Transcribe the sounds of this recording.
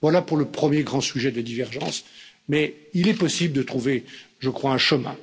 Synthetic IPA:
vwalapuʁləpχəmjeɡʁɑ̃syʒɛd̪əlad̪ivɛʁʒɑ̃smɛilɛpɔsibləd̪ət̪χuve | ʒəkχwaɛ̃ʃəmɛ̰̃

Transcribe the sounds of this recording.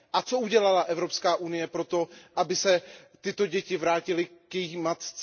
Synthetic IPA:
ʔat͡so̞uɟɛlalaʔɛvɾo̞pskaːʔunɪjɛpɾo̞t̪o̞ʔabɪsɛ | t̪ɪt̪o̞ɟɛcɪvɾaːcɪlɪkjɛjixmat̪t͡s

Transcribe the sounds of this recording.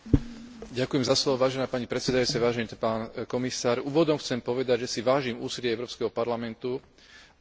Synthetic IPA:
ɟakujɛmzaslɔʋɔʋaːʒɛnaːpaɲipɾɛt̪sɛd̪ajut͡sɛʋaːʒɛnipaːnkɔmisaːɾuːʋɔd̪ɔmxt͡sɛmpɔʋɛd̪aɟʒɛsiʋaːʒimuːsilɪɛɛʊɾɔːpskɛɦɔpaɾlamɛnt̪u

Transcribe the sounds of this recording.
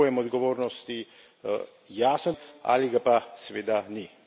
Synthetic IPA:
jɛmɔd̪ɡɔʋoːɾnɔst̪i | jaːsnɔa̰liɡapasʋeːd̪ani

